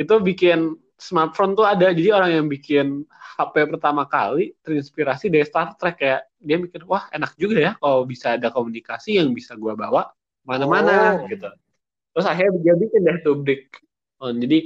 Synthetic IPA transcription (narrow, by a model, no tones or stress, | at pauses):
it̪ubikɪn | smart̪̚font̪uadad͡ʒadioɾaŋjaŋbikɪnhapɛpərt̪amaka̰lit̪ərinspiɾasidaɾist̪art̪ɾɛkːajaʔ | diabikɪnwahenak̚d͡ʒuɡajakalawbisaːdakomunikasijaŋbisaɡuabawaʔ | manamanaɡit̪u | t̪ɾʊsaɦaɡiabikɪndat̪ublɪk̚ | ɔnd͡ʒadi